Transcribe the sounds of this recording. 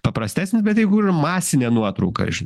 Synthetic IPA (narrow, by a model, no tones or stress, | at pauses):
pɐpɾɐsʲt̪ʲæːsʲnʲɪsbʲɛt̪jɪɡuɪmɑːsʲɪnʲɛnuɔt̪ɾɐʊkɐ̰ʒʲɪn